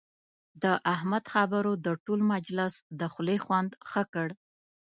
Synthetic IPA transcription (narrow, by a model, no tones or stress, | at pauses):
d̪əʔahmad̪xabəɾod̪əʈolmad͡ʒlɪsd̪əxlexwand̪xəkəɽ